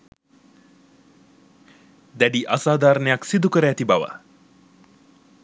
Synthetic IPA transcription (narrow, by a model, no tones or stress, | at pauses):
d̪æɖiʔasaːd̪aːɾənəjaksid̪ukəɾəːt̪ibaʋə̰